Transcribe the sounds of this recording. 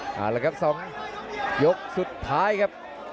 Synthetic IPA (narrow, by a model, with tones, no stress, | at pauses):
ʔa̰ː˨˩wlɛː˦˥˩kʰa˥p̚sɔː˩˦ŋ | jo˦˥k̚su˨˩t̪ʰːaː˦˥jkʰa˦˥p̚